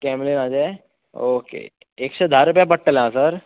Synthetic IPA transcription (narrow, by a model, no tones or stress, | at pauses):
kɛːmlenaːd͡ʒaːe | oːkḛ | eːksʰed̪ʱaɾupjapəʈːəleɦãːsɐɾ